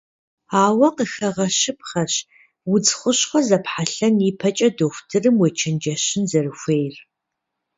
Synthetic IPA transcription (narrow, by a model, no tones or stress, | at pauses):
aːwɐqəxɐʁɐɕɨp̚χɐɕ | wʊd͡zχʷʊɕχʷɔzɐpħaɬɐniːpʰɐt͡ʃʼɐdoxʷtʰɨrɨmwɔt͡ʃʰɐnd͡ʒɐɕɪnzɐrɨxʷejr